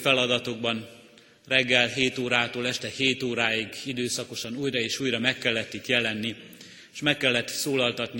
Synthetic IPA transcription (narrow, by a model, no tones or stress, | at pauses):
fɛlɒd̪ɒt̪o̞ɡ̚bɒn | rɛɡːɛlɦeːt̪oːɾaːt̪oːlɛʃt̪ɛheːt̪oːɾaːiɡid̪øːsɒko̞ʃɒnuːjrɒeːʃuːjrɒmɛkːɛlːɛt̪ːit̪jɛlɛnːi | ʃmɛkːɛlːɛt̪soːlɒlt̪ɒt̪ni